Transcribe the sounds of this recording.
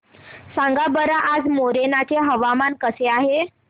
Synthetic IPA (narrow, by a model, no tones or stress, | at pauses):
sãŋɡabəɾaʔad͡zmoɾenat͡ɕeɦəʋamankəseaɦe